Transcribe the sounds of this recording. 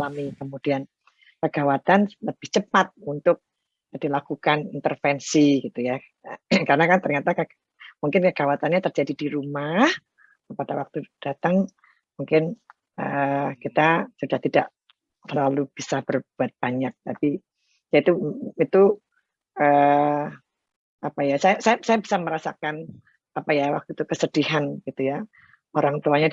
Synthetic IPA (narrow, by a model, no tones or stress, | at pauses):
lamikəmud̥ian | kəɡ̥awat̪anləb̥ɪht͡ʃəpat̪̚unt̪ʊk̚ | d̥ilakukanint̪ərfɛnsiɡit̪uja | karənakant̪ərɲat̪aka | muŋkɪnkəɡ̥awat̪anɲat̪ərd͡ʒadidiɾumah | pad̥awak̚t̪ud̥at̪aŋ | muŋkɪn | əkit̪asudaht̪idaʔ | t̪əlalub̥isab̥ərbuat̪̚b̥aɲak̚t̪api | jait̪uit̪u | ʔə | apajasajasajabi̥sajabi̥saməɾasa̰kan | apajawak̚t̪ut̪ukəsəd̥iɦanɡ̥it̪uja | oɾaŋt̪uaɲa